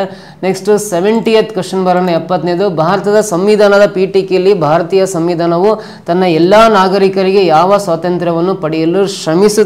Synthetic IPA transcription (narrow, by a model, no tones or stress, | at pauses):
neksʈuseʋeɳʈijet̪ːkɐʂɐnbʱɐɾɐnːɐɛpːɐt̪nejd̪ubʱaːɾɐt̪ɐd̪ɐsɐmʋid̪ʱaːnɐd̪ɐpiːʈikelːibʱaːɾɐt̪iːjɐsɐmʋiːd̪ʱaːnɐʋu | t̪ɐnːɐɛlːaːnaːɡɐɾikɐɾiɡe̞jaːʋɐsʋaːt̪ɐnt̪ɾɐʋɐnːupɐɽijɐlːuʃɾɐmisu